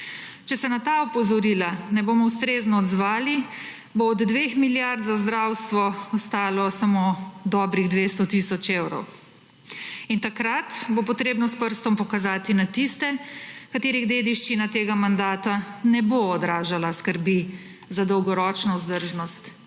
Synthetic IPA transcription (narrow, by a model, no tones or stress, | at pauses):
t͡ʃɛsɛnat̪aɔpɔzɔɾiːlanɛbomɔwst̪ɾeznɔːd̪zʋaːli | boːd̪ːʋexmiljaɾt̪zazd̪ɾawst̪ʋɔɔst̪aːlɔsamod̪ɔːbɾiɣd̪ʋest̪ɔt̪isɔt͡ʃewɾɔ̰w | int̪akɾat̪bop̬ɔt̪ɾeːbnɔspəɾst̪ɔmpɔkazaːt̪inat̪ist̪ɛkat̪eːɾiɣd̪eːd̪iʃt͡ʃinat̪eːɡamand̪aːt̪anɛboɔd̪ɾaːʒalaskəɾbi | zad̪ɔwɡɔɾɔt͡ʃnɔuzd̪əɾʒnɔst̪